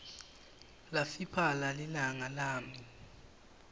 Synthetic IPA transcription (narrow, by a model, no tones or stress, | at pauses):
lafipʰalalɛnaŋalaːmi